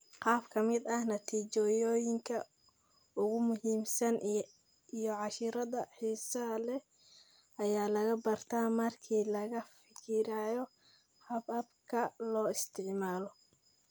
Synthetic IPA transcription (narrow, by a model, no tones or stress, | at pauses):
qɑːbkʰɐmɪd̪ɐhnɐt̪ʰiːt͡ʃɔjɔːjɪŋkʰɐ | ʊɣʊmʊɦiːmsɐn | ijɔʕɑʃɪɾɐðɐħiːsɐlɛ | ɐjaːlɐɣɐbɐrt̪ʰamɐrkʰiːlɐɣɐfɪkʰɪɾaːjɔ | hɐbɐbkʰɐlɔːɪst̪ʰɪʕmaːlɔ